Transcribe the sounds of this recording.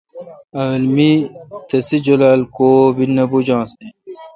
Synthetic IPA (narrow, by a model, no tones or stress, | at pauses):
ɐʋelmit̪ɐsid͡ʑolalkoːbinːɐbud͡ʑãːsne